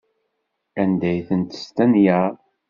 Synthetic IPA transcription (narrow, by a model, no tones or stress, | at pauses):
ænd̪æjθənt̪st̪ænjæ